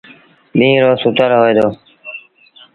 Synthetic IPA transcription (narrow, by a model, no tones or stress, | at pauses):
ɓĩːɾoːsʊt̪əɾɦoːeːd̪oː